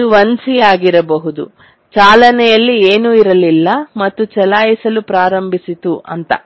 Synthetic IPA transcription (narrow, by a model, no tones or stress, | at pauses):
uʋɐnsijaːɡiɾɐbɐɦud̪ṵ | t͡ʃaːlɐnɛjɐlːieːnuiɾɐlilːɐmɐt̪ːut͡ʃɛlaːjisɐlupɾaːɾɐmbʱisit̪uʔɐ̰nt̪ɐ̰